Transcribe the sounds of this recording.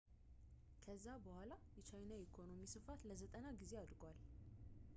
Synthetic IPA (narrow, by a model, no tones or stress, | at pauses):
kʰəzːabəhʷalajɛt͡ʃajnaikʰo̞no̞misɨfat̪ləzət̪ʼənaɡize̞ad̪ɾɡal